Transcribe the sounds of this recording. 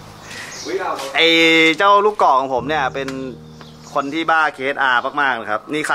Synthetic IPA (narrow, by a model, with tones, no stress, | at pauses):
ʔa˨˩jt͡ɕaː˥˩wluː˥˩kːɔː˨˩kʰɔː˩˦ŋpʰo˩˦mni˥˩ɐpe˧n | kʰo˧nt̪ʰiː˥˩baː˥˩kʰeː˧˦˥t̪̚ʔaː˧maː˥˩k̚maː˥˩k̚na˦˩kʰa˦˥p̚niː˥˩kʰa˧